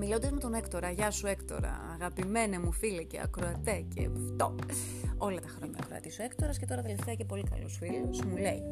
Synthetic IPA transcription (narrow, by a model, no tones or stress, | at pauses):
milo̞nd̪ɐzmet̪o̞ne̞kt̪o̞ɾɐʝɐsue̞kt̪o̞̰ɾɐ̰ːɣɐpime̞nemufilecḛɐ̰kɾoɐt̪ecḛft̪o̰ | o̞lɐt̪ɐxɾo̞ɲɐ̰kɾo̰ɐ̰t̪isue̞kt̪o̞ɾɐsce̞t̪o̞ɾɐðeleft̪eɐce̞po̞likɐ̰lo̞̰sfilozmule̞i